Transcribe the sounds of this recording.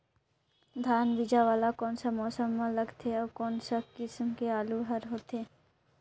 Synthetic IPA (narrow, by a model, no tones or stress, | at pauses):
d̪ʱaːnʋɪd͡ʒaʋaːlakɔːnsamɔːsəmːãlɐɡt̪ʰeɔːkɔːnsakɪsmkeaːluɦɐɾɦoːt̪eː